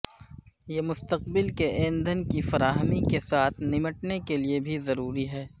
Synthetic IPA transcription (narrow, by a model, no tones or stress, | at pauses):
jeːmʊst̪əq̚bɪlkeʔeːnd̪ʱənkifɐɾaːɦəmikesaːt̪ʰnɪməʈnekeliebʱizɐɾuːɾiɦɛː